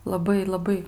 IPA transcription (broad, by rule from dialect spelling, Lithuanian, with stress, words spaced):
lˠɐˈbɐɪ lˠɐˈbɐɪ